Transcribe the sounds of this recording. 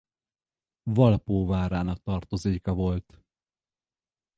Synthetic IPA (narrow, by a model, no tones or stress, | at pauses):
vɒlpoːvaːɾaːnɒk̚t̪ɒrt̪ozeːkɒvo̞lt̪